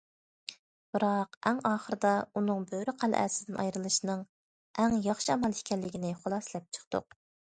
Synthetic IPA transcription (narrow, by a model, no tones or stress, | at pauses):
b̥ɨɾɑqɛŋɑːχəɾɨd̪ɑunɨŋbøɾyqʰælʔæ̰ːsɪ̥d̪ɪnʔɑ̰jɾɨlˠɨʃinɨŋ | ʔɛŋjɑχʃiɑmɑlˠʃkʲɛlːɪɡʲinɪχolˠɑslɛp̚t͡ʃʰə̥qt̪ṵq̚